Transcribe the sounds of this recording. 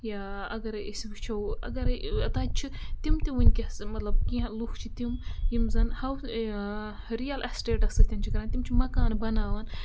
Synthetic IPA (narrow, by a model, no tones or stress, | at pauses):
jaːɐɡɐɾisbit͡ʃʰɐwɐ̰ɡɐɾɐt̪aːt͡ʃʰit̪imt̪iwinʲkʲɐsmɐt̪lɐbkĩɐluxt͡ʃʰit̪imjimzɐnhɐw | ɾijɐlʔɐsʈeːʈɐsɐkt̪ʰʲimt͡ʃʰikɐɾaːnt̪imt͡ʃʰimɐkaːnbɐnaːʋɐn